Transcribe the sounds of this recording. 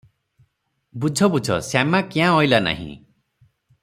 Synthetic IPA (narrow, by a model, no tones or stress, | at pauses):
bud͡ʒʱɔbud͡ʒʱɔ̰samakiãɔjlana̰ɦḭ̃